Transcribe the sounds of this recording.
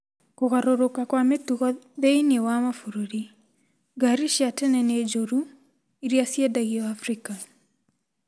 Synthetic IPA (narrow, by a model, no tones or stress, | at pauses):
koɣaɾoɾokakwametuɣɔðeinewamafuɾoɾi | ɡaɾiʃjatɛnɛned͡ʒoɾu | iɾjasjadaɣiɔafɾika